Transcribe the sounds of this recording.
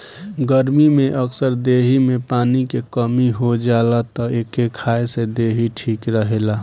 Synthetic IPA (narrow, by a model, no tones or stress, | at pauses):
ɡəɾmimeʔəksəɾd̪eɦimẽpaːnikekəmiɦod͡ʒalat̪ɔekekʰaesed̪eɦiʈʰiːkɾəɦela